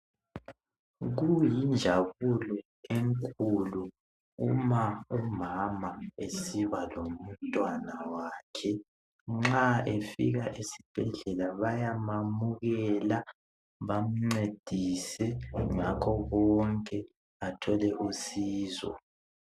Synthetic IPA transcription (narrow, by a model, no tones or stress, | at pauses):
ɣujind͡ʒʱaβulɔ | eŋkʼulu | ṵmaumamaesiβalom̩tʼwanawaːkʰɛ | ŋ͡ǁaefḭɣaʔisib̥ʱɛɮɛlaβajamamuɣɛla | βam̩ŋ͡ǀed̥ʱisɛŋakʰɔβɔŋkʼɛ | atʰɔlɛʔusiːzɔ̰